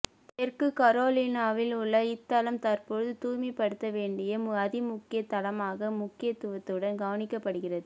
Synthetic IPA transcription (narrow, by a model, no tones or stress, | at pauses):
pɛrkɯkɐɾoːlinaːʋɪlʊɭːɐɪt̪ːɐlɐmt̪ɐɾpoːɯðɯt̪uːmipːɐɽɯt̪ːɐʋeːɳɖɪjɐmɐðɪmʊkːɪjɐt̪ːɐlɐmaːɣɐmʊkːɪjɐt̪ːɯʋɐt̪ːɯɽɐnɡɐʋɐnɪkːɐpːɐɽɯɣɪrɐðɯ